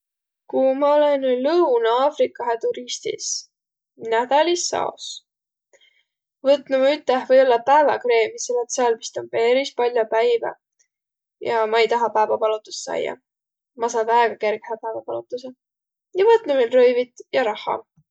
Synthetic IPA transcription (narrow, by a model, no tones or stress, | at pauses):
kumɑo̞lenlɤunɑːfɾikːˑɑɦet̪uɾist̪ḭs | næd̪̥ɑlisːɑ̰o̰s | vɤt̪numɑyt̪ːˑehvɤjo̞lːɑpæevɑkɾe̞ːmiselɑt̪sɑlmi̥st̪ompe̞ɾispɑlʲjopæjvɑ̰ | jɑmɑejt̪ɑɦɑpæevɑpɑlut̪ːˑu̥sːsɑ̰j̰ːɑ̰ | mɑs̬ɑːd̪ɑeɡ̥ɑke̞ɾɡ̥hæpævɑpɑlut̪ːˑuse | jɑvɤt̪numelrɤjvit̪ˑjɑɾɑhːɑ̰